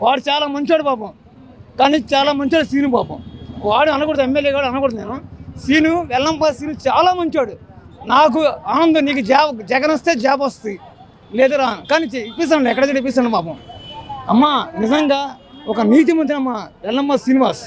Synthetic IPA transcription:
ʋaːɽut͡ʃaːlaːmɐɲt͡ʃaːɽubaːpɐm | kaːniːt͡ʃaːlaːmɐɲt͡ʃaːɽusiːnubaːpɐ̰mʋaːɽuɐnukoːɽt̪emːeljeːɡaːɽɐnukɔɽt̪neːnusiːnuʋɛlːɐmbaːsiːnut͡ʃaːlaːmɐɲt͡ʃaːɽunaːk̬uaːnɐnd̪ɐniːk̬ud͡ʒaːd͡ʒɛɡɐnɐst̪eːd͡ʒaːpɐst̪ɐi | leːd̪ɐɾaːukaːniːt͡ʃipːis̬aːɳɖɛkːɐɽɐɐɽipːisaːɳɖipaːpɐ̃mɐ̰mːanizɐŋɡaːɔkɐniːt̪̬imɐnt͡ʃ̪inɐmːaʋɛlnɐmbaːsiniʋaːɾs

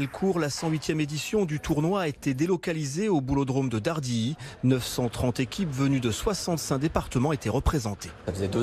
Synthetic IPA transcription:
ɛlkʰuʁlasɑ̃ɥit̪jɛmed̪isjɔ̃d̪yt̪uʁnwaːet̪ed̪elɔkalizeobulod̪ʁomd̪əd̪aʁd̪inœfsɑ̃t̪χɑ̃t̪ekʲipvənyd̪əswasɑ̃t̪sɛ̃d̪epaʁt̪əmɑ̃et̪eʁəpχezɑ̃t̪e̥safəzɛd̪ø

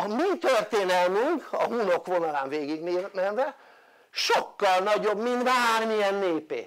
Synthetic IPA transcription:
ɒmit̪ørt̪eːnɛlmyŋkɒɦunokʋo̞nɒlaːɱveːɡiɡnenɛnvɛ | ʃo̞kːɒlnɒɟo̞bmint̪ʋaːrmijɛnːeːpḛː

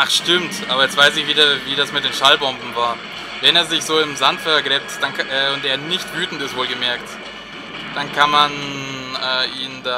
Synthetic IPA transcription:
ʔaχʃtɪmtʔaːbɐjɛt͡stv̥aɪsɪçv̥iːdaviːdasmɪt̚d̥eːnʃalbɔmbm̩vaːɐ | vɛneːɐzɪçz̥oːɪmzantfɛɐɡlɛp̚td̥anʔɛːʊnteːɐnɪçtv̥yːtn̩tɪstv̥oːlɡəmɛɐkt | d̥ankʰanmanʔɛːʔiːnda

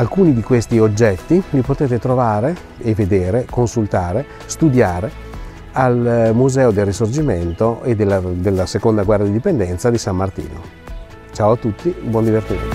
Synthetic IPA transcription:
alkuːnid̪ikwest̪iod͡ʒːɛt̪ːivipot̪eːt̪et̪ɾovaːɾe | eved̪eːɾekonsult̪aːɾe | st̪ud̪jaːɾe | almuzɛːod̪elːisord͡ʒiment̪oed̪ːelːad̪elːasekond̪aɡwɛrːad̪id̪ipend̪ɛnt̪sad̪isamːart̪ḭːno | t͡ʃaːoat̪ːut̪ːibwɔnd̪ivert̪ḭn̰

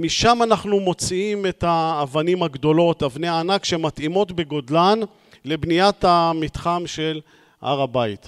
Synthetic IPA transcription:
miʃamanaχnumo̞t͡siime̞t̪aːvanimhaɡd̪o̞lo̞t̪avneaːnakʃeemat̪imo̞t̪be̞ɡo̞d̪lan | le̞bnijat̪amit̪χamʃe̞l | ʔa̰ʁabait̪

